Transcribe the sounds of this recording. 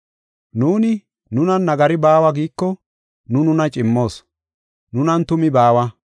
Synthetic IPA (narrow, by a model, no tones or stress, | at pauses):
nuːnɪ | nʊnɐnːɐɡɐɾɪbaːwɐɡiːkːɔ | nʊnʊnɐt͡ʃʼɪmːo̞ːs | nʊnɐnt̪ʊmɪbaːwɐ